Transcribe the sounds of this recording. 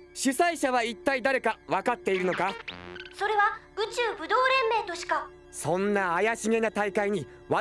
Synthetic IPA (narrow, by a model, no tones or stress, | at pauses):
ɕisaiɕaβait̪ːaid̪aɾe̞kaβakat̪ːe̞iɾɯ̟no̞kaso̞ɾe̞βaɯ̟t͡ɕɨːbɯ̟d̪o̞ːɾẽ̞mːe̞ːt̪o̞ɕi̥ka | sõ̞nːaːjaɕiŋe̞nat̪aikaiɲ̟i | βa